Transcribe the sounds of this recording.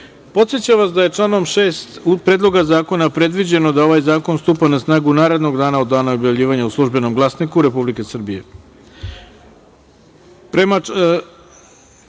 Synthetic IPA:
po̞t̪sjet͡ɕaʋasd̪aje̞t͡ʂlˠaːno̞mʃe̞ːst̪upɾeːd̪lˠo̞ɡazaːko̞napɾe̞d̪ʋid͡ʑe̞no̞d̪ao̞ʋajzaːko̞nst̪uːpanasnaːɡunaːɾe̞d̪no̞ɡd̪aːnaod̪aːnao̞bjaʋvʎiːʋaɲauslˠuʒbe̞no̞mɡlˠasnikuɾe̞publikesr̩bije̞̰ | pɾema

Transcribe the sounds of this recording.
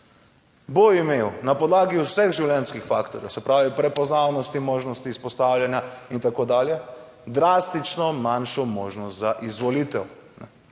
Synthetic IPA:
boimewnapɔd̪laːɡiusɛɣʒiwljɛnskixfaːkt̪ɔɾjɛ̰wsɛpɾaːʋipɾɛpɔznaːwnɔst̪imoːʒnɔst̪iːspɔst̪awljanjaint̪akoːd̪aːljɛ | d̪ɾaːst̪it͡ʃnɔmanʃɔmoːʒnɔst̪zaʔizʋɔlit̪ɛw | nɛ

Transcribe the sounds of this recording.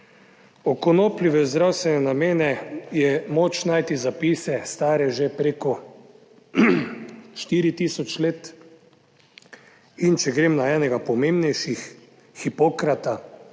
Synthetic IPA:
ɔkɔnoːpliʋɛzd̪ɾawst̪ʋɛnɛnameːnɛjɛmoːt͡ʃnajt̪izapiːsɛst̪aːɾɛʒepɾekɔ | ʃt̪iːɾit̪iːsɔt͡ʃleːt̪ | int͡ʃɛɡɾeːmnaɛːnɛɡapɔmembnɛjʃixː | ipoːkɾat̪a

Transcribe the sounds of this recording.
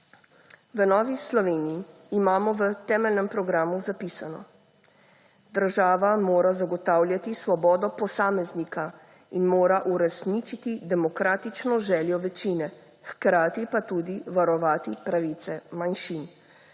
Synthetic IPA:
ʋənɔːʋislɔʋeːnijiː | maːmɔʋət̪ɛːmɛlnɛmpɾɔɡɾaːmuzapiːsanɔ̰ | d̪əɾʒaːʋamoːɾazaɡɔt̪aːwljat̪isʋɔbɔːd̪ɔpɔsaːmɛznika | inmoːɾaʔuɾɛsnit͡ʃit̪id̪ɛmɔkɾaːt̪it͡ʃnɔʒɛːljɔʋɛt͡ʃinɛ | xkɾaːt̪ipat̪uːd̪iʋaɾɔʋaːt̪ipɾaʋit̪sɛmanʃin

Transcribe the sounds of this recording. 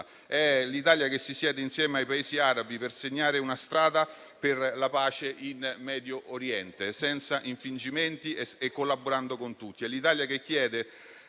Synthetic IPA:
ɛlit̪aːljakesːisjɛːd̪einsjɛːmeajpaeːziaːɾabiperseɲːaːɾeunast̪ɾaːd̪a | perlapaːt͡ʃeʔinmɛːd̪joʔoɾjɛnt̪esɛnt̪saʔiɱfind͡ʒiment̪ieekːolːaboɾand̪okont̪ut̪ːiɛlːit̪aːljakekːjɛːd̪e

